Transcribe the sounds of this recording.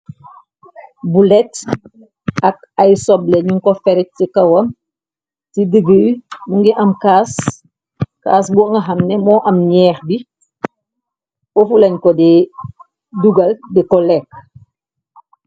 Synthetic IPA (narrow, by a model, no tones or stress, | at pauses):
bulɛt | ak̚ | ajsɔblɛɲuŋkɔfɛɾɛt̚tikɐwɐm | tidəɡəwmuŋɡiʔɐmkaːs | ka̰ːs̬bɔŋɡɐɦɐmnɛmɔːʔɐmɲɛːxbi | ofulɐɲkɔdi | duɡɐldikɔlɛk̚